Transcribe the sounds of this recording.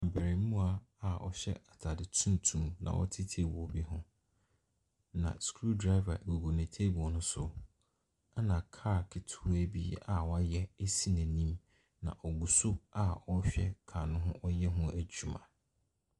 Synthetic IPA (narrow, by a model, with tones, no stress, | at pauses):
ã˨bæ˨ɾi˨˦mũ˦a˦a˨ɔ̰˨ɕɛ̰˦a˨tʰa˨dɪ˨tʰũ˦n˦tʰũ˦mnã̰˨wɔ̰˦tʰɪ˦tʰi˦e˨wɔ˨bi˦hʊ̃˦ | nã̰˨skʰɾu˦ldɾa˦ɪ˦va̰˨ɡo˨ɡo˨nɪ̃˨tʰe˦bi˨ɔ˨nʊ̃˦sʊ˦ | a˦nã˨kʰaː˦˨kʰɪ˨tʰuː˦æ˦bi˦a˨wɔ˦a˦jɛ˦e˦si˦næ̃˨nĩ˦m | nã̰˨ʔɔ˨ɡu˨sʊ˦a˦ɔ˦ɕᶣɛ̰˦kʰa˨nʊ̃˦ɦʊ̃˦ʔɔ˦jɛ˦ɦʊ̃˦æ˨d͡ʑᶣu˨mã̰˨